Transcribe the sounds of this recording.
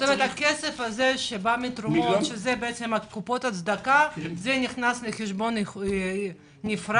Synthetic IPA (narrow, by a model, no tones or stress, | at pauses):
t̪omet̪akɛsefazeʃebamit̪ɾumot̪ʃezɛbeɛtt͡semat̪̚kupo̞t̪at̪t͡sd̪akazɛniχnaslexeʃbon | nifɾa